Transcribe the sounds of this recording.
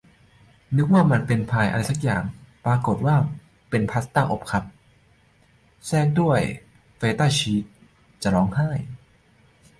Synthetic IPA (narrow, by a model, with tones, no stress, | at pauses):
nɯ˦˥k̚waː˥˩ma˧npe˧npʰaː˧jʔa̰˧ɾa˧jsa˦˥k̚ja̰ː˨˩ŋpɾaː˧ko˨˩t̪̚waː˥˩ | pe˧npʰa˦˥st̪aː˥˩ʔo̰˨˦˩p̚kʰa˧˥p̚ | sɛː˥˩k̚du˥˩əj | feː˧˥t̪aː˥˩t͡ɕʰiː˦˥t̪̚ | t͡ɕa˨˩ɾɔː˦˥ŋhaː˥˩j